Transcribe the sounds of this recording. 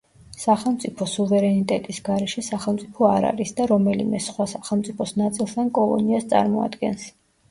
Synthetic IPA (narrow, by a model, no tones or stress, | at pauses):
saχɛlˠmt̪sʼipʰɔsuvɛɾɛnit̪ʼɛt̪ʼisɡaɾɛʃɛsaχɛlˠmt̪sʼipʰɔaɾa̰ɾisd̪aɾɔmɛlḭmɛsχwasaχɛlˠmt̪sʼipʰɔsnat̪sʼilˠst̪ʰankʼɔlˠɔ̰niast̪sʼa̰ɾmɔa̰d̪ɡɛ̰ns